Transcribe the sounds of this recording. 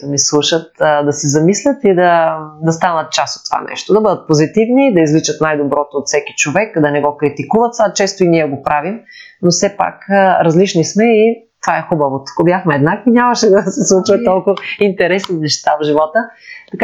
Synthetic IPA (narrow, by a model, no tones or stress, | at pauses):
d̪ɐmislˠuʃət̪d̪ɐsɛzɐmislʲət̪id̪ɐd̪ɐst̪anət̪̚t͡ʃaso̥t̪ːo̥va̰nɛ̰ʃt̪od̪ɐbəd̪ət̪̚pozit̪ivnid̪ɐizlit͡ʃət̪najd̪obɾɔt̪oːt̪fsɛki̥t͡ʃovɛkd̪ɐnɛɡɔkɾit̪ikuvɐt̪sat͡ʃɛst̪oiniɛɡopɾʔavim | nofsɛpa̰kɾɐzlit͡ʃnismɛit̪ovaɛxubɐvot̪o̥kobjaxmɛɛd̪nakvinʲaməʃɛd̪ɐsɛslˠut͡ʃət̪ːɔlˠkʊint̪ɛɾɛsninɛʃt̪avʒivɔt̪ət̪ɐka